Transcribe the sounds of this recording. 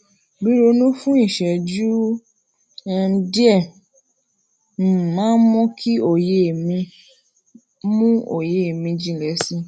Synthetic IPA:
bi˨˦ɾo˧nũ˦fũ˦i˦˨ʃɛ˨d͡ʒu˦ | ɛ˧n̩˦di˦ɛ˦˨ | m̩˨mãː˦mɔ̃˦kʰi˦o˦˨je˨mĩ˧ | mũ˦o̰˦˨je˦˨mĩ˧d͡ʒĩ˦˨lɛ˨˦si˦

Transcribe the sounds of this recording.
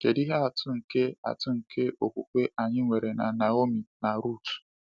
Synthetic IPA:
ke˨di˦ɦa˦a˨tʊ˦ŋ̩˨ke˦a̰˨tʊ˦ŋ̩˨kʰe˦ʔo˨kʷṵ˨kʷe˦ʔa˨ɲɪ˦ŋʷe˨ɾe˨na̰˨na˨o˦mi˨na˨ɾu˦˨tu̥˨

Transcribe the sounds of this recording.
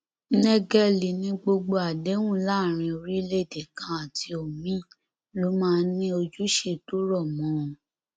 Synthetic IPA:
nɛ˦ɡɛ˦li˨nĩ˧˦ɡ͡bo˧ɡ͡bo˧a˨de˨˦wũ˦˨la˦˨ɾ̃ĩ˧o˧ɾi˦le˦˨de˨kã˨˦a˨ti˧˦o˨mĩ˦ | lo˨˦mãː˦nĩ˦o˧d͡ʒu˦ʃe˦˨tu˨˦ɾɔ˦˨mɔ̃˨˦˨

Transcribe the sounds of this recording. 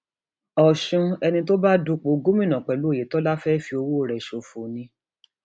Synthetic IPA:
ɔ˨ʃũ˧ɛ˧nĩ˧t̬o˦ba˦du˨˧k͡po˧ɡo˦mĩ˦˨nã˨k͡pɛ˨lu˨˦o˦˨je˨˦tɔ˦la˦fɛ˦fi˧o˧wo˦˨ɾɛ˨ʃo˨fu˨nĩ˧

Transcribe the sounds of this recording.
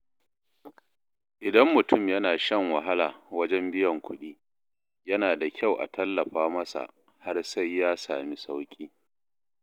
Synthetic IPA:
ʔɪ˨dɐ˦mːʊ˨tʊ˦˨mjɐ˦naː˨ʃɛ˦ŋwɐ˨ɦa˦laː˨wɐ˦d͡ʒɛ˦mbɪ˦jɐ˨ŋkʷʊ˦ɗiː˦ | jɐ˦naː˨da˨kʲʰa˦˨wʔa̰˨tʰɐ˦lːɐ˨ɸaː˦mɐ˦sa̰˨ | ha˦rsa˦jːaː˦sa̰ː˨mi˦sa˦wkʲʼiː˦

